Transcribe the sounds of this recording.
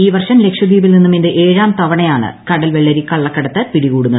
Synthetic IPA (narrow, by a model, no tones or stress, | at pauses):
iːʋɐrʂɐmle̞kʂjɐd̪iːbilninːumindeʔeːɻaːmt̪ɐʋɐɳɐjaːɳɨ̰kɐɽɐlʋeɭːɐɾikɐɭːɐkːɐɽɐt̪ːɐpiɽiɣuːɽunːɐð